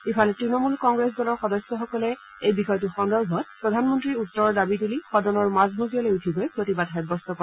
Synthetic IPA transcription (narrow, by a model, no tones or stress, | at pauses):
ifalɛtɹinɔmulkɔŋɡɹesdɔlɔɹxɔdɔsːɔxɔkɔlɛ | ejbixɔjtuxɔndɔɹbʱɔt̚pɹɔdʱanmɔntɹiutːɔɹɔɹdabitulixɔdɔnɔɹmazmuɡiɔlojutʰibɔjpɹotibadxɛbɔstɔkɔ